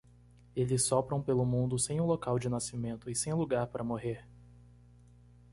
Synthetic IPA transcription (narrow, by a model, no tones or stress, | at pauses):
elɪsːɔpɾɐ̃w̃pelʊmũnd̪ʊsẽj̃ũlokawd͡ʒɪnasimẽnt̪ʊɪsẽj̃luɡaɾpaɾʔɐmoɦeɾ